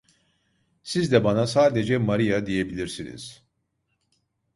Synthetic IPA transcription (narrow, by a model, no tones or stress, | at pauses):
sizd̪ɛbanasaːd̪e̞d͡ʒɛmaɾijad̪ije̞bilʲiɾsinḭz̥